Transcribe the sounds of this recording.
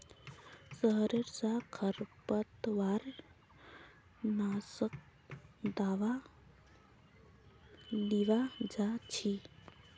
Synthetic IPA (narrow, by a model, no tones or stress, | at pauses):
səɦɾeɾsakʰəɾpət̪ʋaɾ | nasək̚ | d̪aʋa | liʋad͡ʒat͡ʃʰi